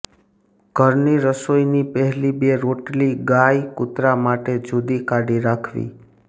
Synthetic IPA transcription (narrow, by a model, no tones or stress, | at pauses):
ɡʱəɾniɾəsoinipəɦɛlibeɾoʈliɡajkʊt̪ɾamaʈed͡ʒʱud̪ikaɽiɾakʰʋḭ